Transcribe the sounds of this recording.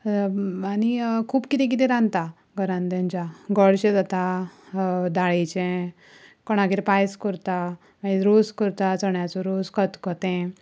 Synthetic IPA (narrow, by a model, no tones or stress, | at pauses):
anikʰuːbkit̪ɛ̃k̬it̪ɛ̃ɾãnt̪a | ɡəɾãnd̪ẽɲd͡ʑaɡɔɽɕẽd͡zat̪a | d̪aɭit͡ɕẽ | kɔɽ̃aɡiɾpajskɔɾt̪a | maiɾoskəɾt̪at͡səɳjat͡sɔɾoskət̪kɔt̪ɛ̃